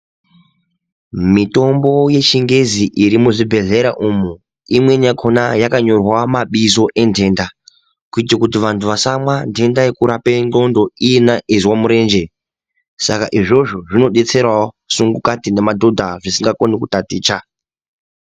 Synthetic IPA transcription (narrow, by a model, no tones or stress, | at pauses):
mito̞mbo̞je̞t͡ʃiŋɡe̞ziʔiɾimuʐibʱe̞ɮe̞ɾaʔumu | imwe̞ɲakʰonajakaɲo̞rwamaɓizo̞ʔe̞ndʱe̞ːnda | kuitakut̬iʋantʰuʋasamwandʱe̞ndajekuɾapendo̞ndo̞ijenaʔiziwamuɾe̞ːnd͡ʒe̞ | saka̰ʔiʐo̞ʐo̞ʐino̞ɗe̞t͡se̞rwao | suŋɡukatine̞madʱo̞dʱaʐisiŋɡakonikutatiːt͡ʃa